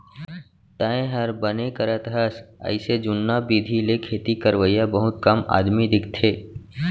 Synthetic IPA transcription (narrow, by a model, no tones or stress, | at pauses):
t̪aːẽɦɐɾbənekəɾət̪ɦəsɐ̰ɪsed͡ʒʊnːabiːd̪ʱilekʰeːt̪ikəɾʋəjabɐɦʊt̪kɐma̰ːd̪mid̪ɪkʰt̪ʰeː